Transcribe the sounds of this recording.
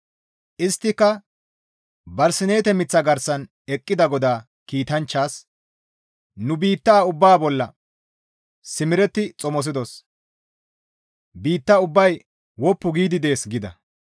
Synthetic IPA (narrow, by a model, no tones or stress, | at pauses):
ʔɪst̪ːɪkːɐ | bɐɾsɪne̞ːt̪ɛmɪt͡sːɐɡɐɾsɐn | ɛkʼːɪd̪ɐɡɔd̪aː | kiːt̪ɐnt͡ʃːaːs | nʊbiːt̪ːaːʊbːaːbɔlːɐ | sɪmɪɾɛt̪ːɪt͡sʼɔmɔs̬ɪd̪ɔs | biːt̪ːɐʊbːɐj | wɔpːʊɡiːd̪ɪd̪e̞ːsɡɪd̪ɐ̰